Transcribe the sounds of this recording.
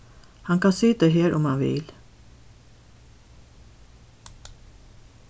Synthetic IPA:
hɑŋkɑnsyːt̪əɦeːɾʔɔmhɑnʋɪ̰l

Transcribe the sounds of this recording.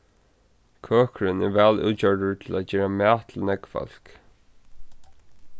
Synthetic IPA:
kʰœːkɹɪnɛɹʋɛːlṵːt͡ɕœɹɖəɹt̪ʰɪlæt͡ɕɛːɹamæːt̪ʰɪlnɛɡfɔ̰l̥k

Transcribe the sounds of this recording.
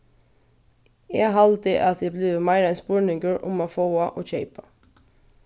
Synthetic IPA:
eːɦɑlt̪ɪʔɑt̪ʰj̪ɛːblɪʋmæɪɾɛnspuːɹnɪŋɡəɹʔʊ̰moːfoːɑʔoːçeɪpɑ

